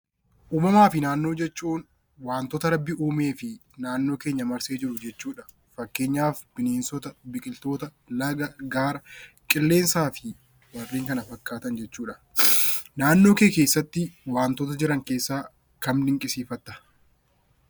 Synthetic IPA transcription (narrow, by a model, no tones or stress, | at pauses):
ʔuːmɐmaːfɪnaːnːo̞ːd͡ʒɛt͡ʃːuːn | waːnt̪ɔt̪ɐɾɐbːɪʔuːme̞ːfɪ | naːnːo̞ːkeːɲːɐmɐɾseːd͡ʒɪɾʊd͡ʒɛt͡ʃːuːᶑɐ | fɐkːe̞ːɲːaːfbɪneːnsɔt̪ɐbɪkʼɪlt̪o̞ːt̪ɐ | lɐɡɐɡaːɾɐ | kʼɪlːe̞ːnsaːfɪ | wɐrːiːŋkɐnɐfɐkːaːt̪ɐnd͡ʒɛt͡ʃːuːᶑɐ̥ | naːnːo̞ːkeːkeːsːɐt̪ːɪwaːnt̪ɔt̪̬ɐd͡ʒɪɾɐŋkeːsːaː | kɐmlɪŋkʼɪsiːfɐt̪ːɐ̥